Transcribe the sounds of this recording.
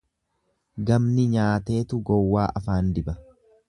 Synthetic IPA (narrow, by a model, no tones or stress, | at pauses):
ɡɐmnɪɲaːt̪e̞ːt̪ʊɡɔwːaːʔɐfaːnd̪ɪbɐ